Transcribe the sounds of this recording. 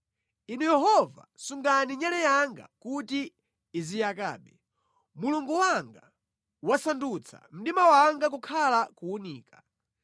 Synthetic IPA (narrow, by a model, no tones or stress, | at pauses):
inujɛɦɔva̰suŋɡaniɲalɛjaŋɡa̰kutiː | zijaka̰ːɓɛ | muluŋɡuwaŋɡa | wasandut͡sʰa̰m̩ɗimawaŋɡak̬ukʰalakuuniːka